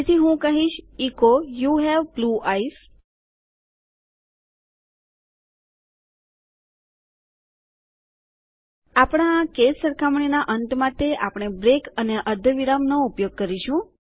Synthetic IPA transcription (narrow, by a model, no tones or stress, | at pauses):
et̪ʰiɦũkəɦiʃikojuɦɛʋbluʔais | apɽ̃aːkesːəɾkʰamɳinaʔənt̪mat̪eʔapɽ̃ebɾekəneʔəɾd̪ʱəʋiɾamnoupjoɡ̚kəɾiʃũ